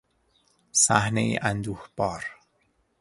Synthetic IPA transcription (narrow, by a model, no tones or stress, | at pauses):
sæhneḭʔænd̪uːhb̥ɒːɾ